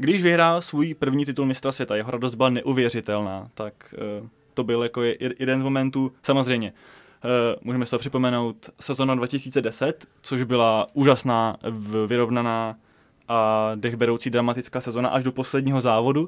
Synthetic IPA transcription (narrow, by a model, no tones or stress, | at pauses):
ɡdɪʒvɪɦɾaːlsvuːjpr̩vɲiːt̪ɪt̪ulmɪst̪ɾasvjɛt̪ajɛɦoɾados̬d̪bɪlanɛʔuvjɛr̝ɪt̪ɛlnaːt̪ak | t̪o̞bɪljakojɛdɛnzmomɛnt̪uːsamozrɛjmɲɛ | mʔuːʒɛmɛst̪oɦopr̥ɪpo̞mɛno̞wt̪sɛzonadvacɪsiːt͡sɛdɛsɛt̪t͡soʒbɪlaʔuːʒasnaːvɪɾo̞vnanaː | ʔadɛɣbɛɾo̞wt͡siːd̪ɾamat̪ɪt͡skaːsɛzona̰ʔaʒdopo̞slɛd̚ɲiːɦo̞zaːvo̞du